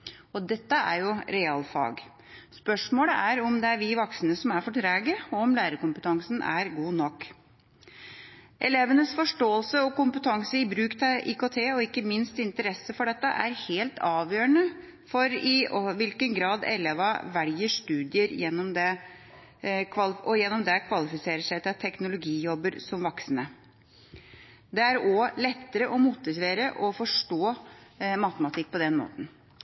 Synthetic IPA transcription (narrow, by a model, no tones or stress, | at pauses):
ɔd̪ɛt̪ːəæ̰ɾjʊɾɛɑːlfɑ̰ːɡ | spœʂmoːləæɾɔmd̪ɛæɾʋɪʋɑksənəsɔmæɾfɔʈʰɾæːɡəɔɔmlæːɾəkʊmpət̪ʰɑŋsnʔæ̰ɾɡuːnɔkː | ʔɛ̰leːʋənəsfɔʂʈoːəlsəɔkʊmpət̪ʰɑŋsəɪbɾʉːkt̪ʰɑʔḭːkoːt̪ʰeːɔɪkːəmɪnst̪ɪnt̪əɾɛsːəfɔɖɛt̪ːəʔæɾheːlt̪ʰɑːʋjøːɾəɳə | fɔɾɪɔʋɪlkənɡɾɑːd̪ɛ̰leːʋɑʋæljəʂt̪ʉːd̪ɪəɾjɛnːɔmd̪ɛ | kʰʋɑlɔjɛnːɔmd̪ɛkʰʋɑlɪfɪseːɾəʂæɪt̪ɛt̪ʰːɛknʊlʊɡiːjɔbːəɾsɔmʋɔksənə | d̪ɛæɾɔlɛt̪ːəɾəʔɔmut̪ːɪsʋeːɾəʔɔfɔʂʈoːmɑt̪əmɑt̪ʰɪk̚ːpʰɔd̪ɛnmo̰ːt̪n̩